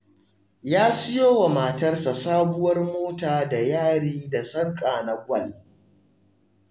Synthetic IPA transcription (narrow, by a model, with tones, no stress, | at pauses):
jaː˦sʊ˦joː˦wa˨maː˨tɐ˦rsa˨saː˦bʊ˦wɐ˦rmoː˦taː˨da˨jaː˦ɽiː˦da˨sɐ˦ŋkʼaː˨na˨ɡʷɐ˦˨l